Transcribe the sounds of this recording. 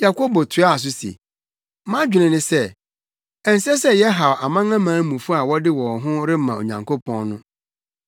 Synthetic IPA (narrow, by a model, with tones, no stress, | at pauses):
ja˨ko˦bo˨tʰʊ˨˦a˦a˨s̬ʊ˦sḛ˨ | mã˦d͡ʑᶣɪ˨nɪ̃˨nɪ̃˦sɛ˦ | ɛ˨n̩˨˦sɛ˦sɛ˦jɛ˦ɦa˨wa˨mã˦ŋã˦mãː˨˦mũ˨fu˦a˨wɔ˦dɪ˦wɔ˨ɦʊ̃˦ɾɪ˦mã˨o̰˨ɲã̰˨ŋkʰo˦pʰɔ̃˦nnʊ̃˦